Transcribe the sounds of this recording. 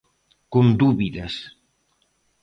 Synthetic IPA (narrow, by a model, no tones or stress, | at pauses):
kond̪uβiðɐs